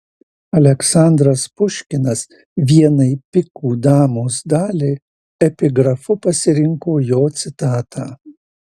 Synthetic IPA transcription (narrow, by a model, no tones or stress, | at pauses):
ɐlʲɛksɑnd̪ɾɐspʊʃʲkʲɪnɐs | ʋʲiɛnɐɪpʲɪkuːd̪ɑːmoːsd̪ɑːlʲeɪ | ɛpʲɪɡɾɐfʊpɐsʲɪɾʲɪŋkoːjoːt̪sʲɪt̪ɑːt̪ʰaː